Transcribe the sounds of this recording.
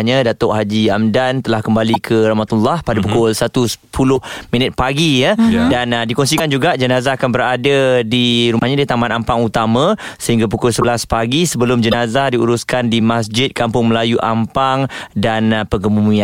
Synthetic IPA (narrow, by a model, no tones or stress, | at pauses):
ɲadat̪ʊʔɦad͡ʒiamdant̪əlahkəmbalikʰəɾamat̪ulːahpadapukʊlsat̪usə̥pʰulʊhmĩnət̪̚paɡijadandikɔns̬ikand͡ʒuɡaʔd͡ʒənazaːkanbəɾadadiɾumaɲadit̪amanampaŋut̪amãsəɦiŋɡap̬ukʊlsəəlaspaɡisəbəlʊmd͡ʒənazadiṵɾuskandimasd͡ʒɪt̪̚kampʊŋməlajuʔampaŋdanpəŋɡəmumua